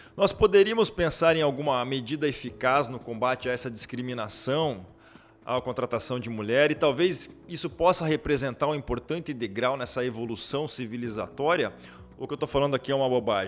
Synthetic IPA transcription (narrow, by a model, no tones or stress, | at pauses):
nɔspod̪eɾiɐmʊspẽsaɾẽj̃awɡũmɐmed͡ʒid̪ɐefikaznʊkõbat͡ʃɪaɛsɐd͡ʒiskɾimĩnasɐ̃w̃ | a̰kõnt̪ɾat̪asɐ̃w̃d͡ʒɪmuʎɛɾɪt̪awvezisʊpɔsɐɦepɾezẽnt̪aɾũĩpoɾt̪ɐ̃nt̪ɪ̃d̪eɡɾawnɛsɐevolusɐ̃w̃siviliza̰t̪ɔɾjɐ | ʊkɪewt̪ofalɐ̃nd̪ʊakiɛũmɐbobaʒ̃